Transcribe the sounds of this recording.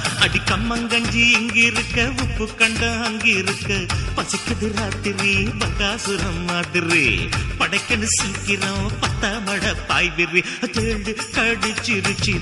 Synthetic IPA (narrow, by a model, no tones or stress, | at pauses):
ɐɽikɐmːɐŋɡɐɲd͡ʒiiŋɡiɾukːɐʋupːukɐɳɖɐɦɐŋɡiɾɯkːɐpɐsikːɐd̪iɾat̪iɾibɐkaːsuɾɐmːaːd̪iɾipɐɽɐkːɐnɐsiːkːiɾɐpɐt̪ːɐʋɐɽɐpaːjbiɾi | ɐt̪eɖɯkɐɽit͡ʃːiɾut͡ʃi